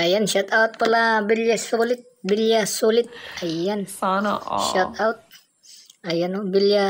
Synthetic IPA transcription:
ajanʃat̪aut̪̚pəlabilijasolɪt̪̚bilijasolɪt̪̚ajan | ʃɔt̪̚awt̪̚ | ajanubilia

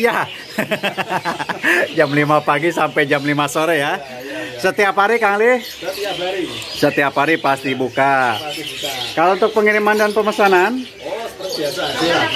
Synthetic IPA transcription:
ja | d͡ʒamlimapaɡisampɛjd͡ʒamlimasoɾɛja | sət̪iapaɾikaŋlɪ | sət̪iapaɾipast̪ibuka | kalount̪ʊk̚pəŋiɾimandanpəmasanan

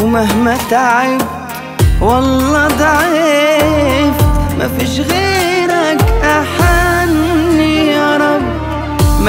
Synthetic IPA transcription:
maɦmat̪aʕɪb | wɑlːɑːt̪aʕ | fma̰fiːʃɣeːɾakʔaħanːijaɾˤɑb | m

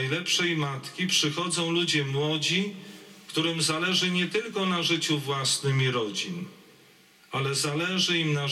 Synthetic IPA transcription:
jlɛpʂɛjmat̪kʲipʂɘxɔd̪zɔ̃w̃lud͡ʑɛmwɔd͡ʑikt̪uɾɘmzalɛʐɘɲɛt̪ɘlkɔnaʐɘt͡ɕuvwasnɘmʲiɾɔd͡ʑin | alɛzalɛʐɘimna

